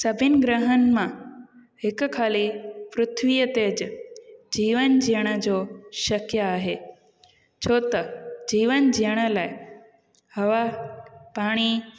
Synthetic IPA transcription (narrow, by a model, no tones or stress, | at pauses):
sɐbʱɪnɡɾəɦənmã | hɪkkʰaːlipɾʊt̪ʰʋijət̪eːd͡ʑ | d͡ʑiːʋənd͡ʑijəɽ̃əd͡ʑoːʃɐkjəaːɦeː | t͡ɕʰoːt̪ɐd͡ʑiːʋənd͡ʑijəɽ̃əlaːɪ | hɐʋapaːɽ̃i